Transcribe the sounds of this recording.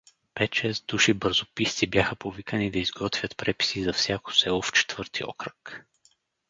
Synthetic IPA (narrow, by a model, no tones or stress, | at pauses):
pɛt̪t͡ʃɛzd̪uʃibɤɾzopist̪sibjaxəpovikənid̪ɐizɡɔt̪vʲjət̪pɾɛpi̥sizɐfsʲjako̥sɛoft͡ʃɛ̥t̪vɤɾt̪ʰiɔ̰kɾək